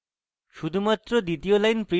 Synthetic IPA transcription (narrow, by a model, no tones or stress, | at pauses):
ʃud̪ʱumat̪ːɾɔd̪it̪iolajnpɾi